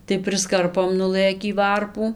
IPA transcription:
tɐɪ pʲrʲɪsˈkɐrpoːm nʊˈlˠɘkʲiː ˈʋɐrpuː

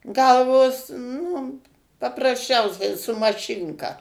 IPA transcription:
ˈɡɐlˠʋoːs nʊ pɐprɐsʲˈt͡ʃʲɛʊsʲɛɪ sʊ mɐˈʃʲɪŋkɐ

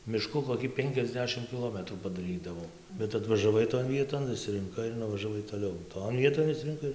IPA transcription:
mʲɪˈʃkʊ koːˈkʲiː ˈpʲɛŋʲkʲɛzʲˌdʲæːʃʲɪm kʲɪˈlˠoːmʲɛtruː pɐdɐˈrʲiːdɐʋoːm bʲɛt ɐtʋɐʒɐˈʋɐɪ toːn ˈʋʲiɛtoːn ɪʃʲsʲɪrʲɪŋˈkɐɪ ɪr nʊʋɐʒɐˈʋɐɪ toːˈlʲɛʊ ˈtoːn ˈʋʲiɛtoːn ɪʃʲsʲɪrʲɪŋˈkɐɪ

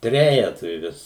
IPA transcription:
ˈtʲrʲæːjɛtʊɪ ˈʋʲɪs

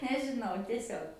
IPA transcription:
nʲɛʒʲɪˈnɐʊ tʲiɛˈsʲoːk

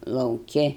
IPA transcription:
lˠɐʊˈkʲɪ

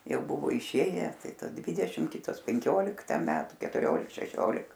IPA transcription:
ˈjɛʊ ˈbʊʋoː ɪˈʃʲeːjæː ˈtɐɪ ˈtɐ ˈdʲʋʲɪdʲɛʃʲɪm ˈkʲɪtoːs pʲɛŋʲˈkʲoːlʲɪktɐ ˈmʲæːtʊ kʲɛtʊˈrʲoːlʲɪk ʃʲɛˈʃʲoːlʲɪk

